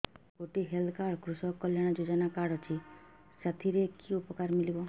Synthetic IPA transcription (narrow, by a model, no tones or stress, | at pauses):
koʈiɦeld̪kaɾkɾusɔkːɔljaɽ̃ɔd͡ʒod͡ʒɔnakaɽɔt͡ʃʰi | sat̪ʰiɾekiupɔkaɾmilibɔ